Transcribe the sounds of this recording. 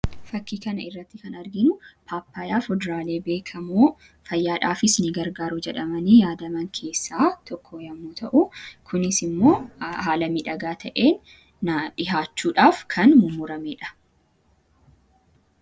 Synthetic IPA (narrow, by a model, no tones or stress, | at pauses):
fɐkːiːkɐnɐɪrːɐt̪ːɪkɐnɐɾɡɪnʊpʰaːpːaːjaːfɔd̪ɾaːle̞ːbe̞ːkʰɐmuː | fɐjːaːᶑaːfɪsnɪɡɐɾɡaːɾʊd͡ʒɛᶑɐmɐniːjaːd̪ɐmɐŋkʰe̞ːsːaːt̪ɔkʰːojɐmːuːt̪ʰɐʔʊkʰʊnɪsɪmːo̞ːhaːlɐmiːᶑɐɡaːt̪ʰɐʔe̞ːnː | ɐᶑɪɦaːt͡ʃːuːᶑaːfkʰɐnmʊmʊɾɐmeːᶑɐ̥